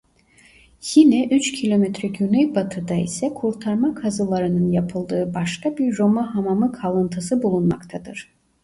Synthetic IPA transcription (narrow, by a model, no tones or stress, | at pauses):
jinɛʔyt͡ʃcʰilʲo̞mɛt̪ɾɛɟynɛjbat̪ʰɯd̪aḭsɛkʰuɾt̪ʰaɾmakʰazɯlˠaɾɯnɯnjapʰɯlˠd̪ɯːbaʃkabiɾːo̞maɦamamɯkʰalˠɯnt̪ʰɯsɯbulˠunmakt̪ʰad̪ɯɾ̥